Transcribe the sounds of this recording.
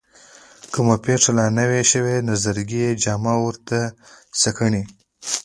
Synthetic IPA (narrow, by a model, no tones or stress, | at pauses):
kumapeʂalanəweʃəwenazaɾɡijed͡ʒɑmɑwəɾt̪asakəɳi